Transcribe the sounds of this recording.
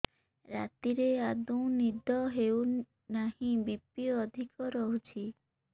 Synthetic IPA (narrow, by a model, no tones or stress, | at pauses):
ɾa̰t̪iɾead̪uw̃nid̪ʱɔɦew | nahĩbipiɔd̪ʱikɔɾɔɦut͡ʃʰi